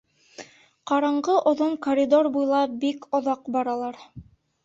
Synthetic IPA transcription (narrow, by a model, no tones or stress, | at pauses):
qɑɾɑɴɢɤʔŏðoɴkoɾʲid̪orbujlˠɑbikŏðɑqbɑɾɑlˠɑɾ